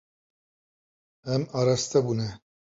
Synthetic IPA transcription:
ɛmaːɾast̪ɛbuːnɛ

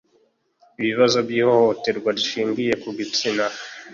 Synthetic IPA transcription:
iβiβazo̞bjiːho̞ho̞te̞ɾɡwaɾiʃiːŋɡije̞kuɡit͡sina

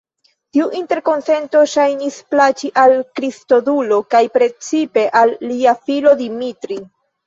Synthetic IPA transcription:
tiuʔinte̞ɾko̞nse̞nto̞ʃajnisplat͡ʃiʔalkɾisto̞dulo̞kajpɾe̞t͡sipe̞ʔalːiafilo̞dimitɾi

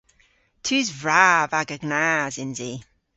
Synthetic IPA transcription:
tʰʉːzvɹavaɡəɡnaːzɪnzi

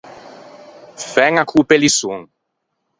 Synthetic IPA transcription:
fɛŋakʰupelisuŋ

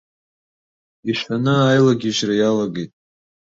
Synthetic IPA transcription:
iʃanɨajlaɡʲiʒrajalaɡejtʼ

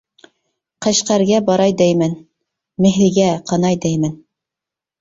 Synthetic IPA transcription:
qɤ̆ɕqæɾɡæbɑɾɑjd̪æjmæn | mɘ̆ɦɘ̆ɡæqʰɑnɑjd̪æjmæn

